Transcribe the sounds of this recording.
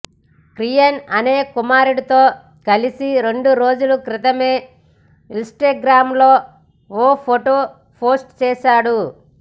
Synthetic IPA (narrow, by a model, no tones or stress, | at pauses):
kɾijɐnɐneːkumaːɾuɽit̪o̞ː | kɐlisiɾe̞ɳɖuɾo̞ːd͡ʒulukɾɪt̪ɐme̞ː | insʈaːɡɾaːmloː | oːpʰoʈoː | pʰoːsʈt͡ʃɛːʃaːɽu